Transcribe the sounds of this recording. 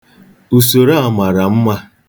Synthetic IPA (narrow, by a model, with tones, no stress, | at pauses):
u˨so˨ɾa˦˨ma˨ɾa˨m̩˦ma˦